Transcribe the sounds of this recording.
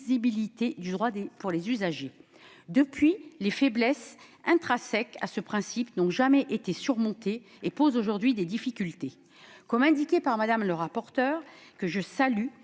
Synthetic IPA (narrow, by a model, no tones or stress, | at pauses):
zibilit̪ed̪yd̪ʁwad̪epuʁlezyzaʒe | d̪əpɥilefɛblɛsɛ̃t̪χasɛka̰səpχɛ̃sipnɔ̃ʒamɛʔet̪esyʁmɔ̃t̪e | epozoʒuʁd̪ɥid̪ed̪ifikʲylt̪e | kɔmɛ̃d̪ikʲepaʁmad̪amləʁapɔʁt̪œːʁkəʒəsaly